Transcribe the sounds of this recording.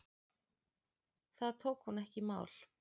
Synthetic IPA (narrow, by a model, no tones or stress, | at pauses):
θaðt̪ʰowkhunːɛhcɪma̰ːwl̥